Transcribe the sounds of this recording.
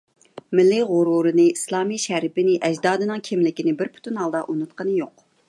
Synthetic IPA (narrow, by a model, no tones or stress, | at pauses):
mɪlːiʁʊɾuɾɨnɨislˠɑːmiʃæɾpɪnɪʔɛd͡ʒd̪ɑːd̪ɨnɨŋkʲʰimlɪkʲinɪbɪɾpʰu̥t̪ʰunɦɑlˠd̪ɑʔunɨt̪qənɨjoq